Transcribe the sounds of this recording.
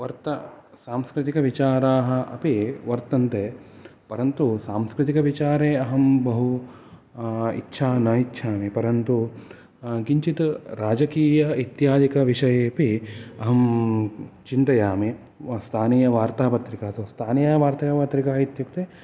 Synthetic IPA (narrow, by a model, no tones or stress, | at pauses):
ʋɐɾt̪ɐ | saːmskɾɪt̪ikɐʋit͡ʃaːɾaːɦɐ̆ʔɐ̰piʋɐɾt̪ɐnt̪eːpɐɾɐnt̪usaːmskɾɪt̪ikɐʋit͡ʃaːɾeːɐɦɐmbɐɦu | ḭtːʃʰaːnɐitːʃʰaːmepɐɾɐnt̪u | ɡiɲt͡ʃit̪ɾaːd͡ʒɐkiːjɐit̪jaːd̪ikɐʋiʂɐjeːpiɐɦɐm | t͡ʃint̪ɐjaːme | st̪ʰaːniːjɐʋaːɾt̪aːpɐt̪ɾikaːt̪oːst̪ʰaːnijaːʋaːɾt̪ɐjaːpɐt̪ɾikaːɦit̪jukt̪eː